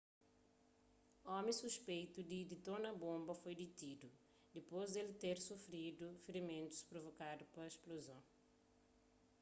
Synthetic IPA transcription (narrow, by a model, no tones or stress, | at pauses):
ɔmĩsuspejt̪ud̪id̪it̪onɐbõmbɐfojd̪it̪id̪u | d̪epozd̪elit̪eɾsufɾid̪ufɾimẽnt̪u̥spɾovokad̪upɐesplozõw̃